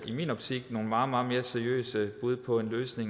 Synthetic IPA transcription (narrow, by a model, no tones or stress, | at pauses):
imḭːnɒ̽b̥t͡sʰiɡ̥̚no̝ːn̩mɑ̈ːð̩ˠmɑ̈ːð̩ˠme̝ːɐseɐijø̰ːsəb̥uð̞ˠpʰɒ̽e̝nløːsne̝ŋ